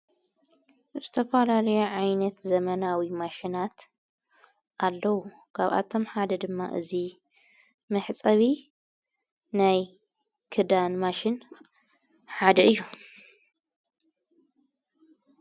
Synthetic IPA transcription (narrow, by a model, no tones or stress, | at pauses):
zɨt̪ʰɐfɐlalɐjuʕajnɐt̪zɐmɐnawimaʃinat̪ | ʔalːɐwu | kʰa̰βa̰t̪ʰo̞mħad̪ɐd̪ɨmːa̰ʔɨ̰zi | mɨħt͡sʼɐβi | naj | kʰɨd̪anmaʃɪn | ħad̪ɐɨjːu